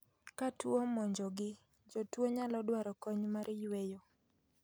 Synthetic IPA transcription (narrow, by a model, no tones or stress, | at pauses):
katwomɔɲd͡ʒɔɡɪ | d͡ʒɔtwoɲalɔdwaɾɔkɔɲmaɾjwejo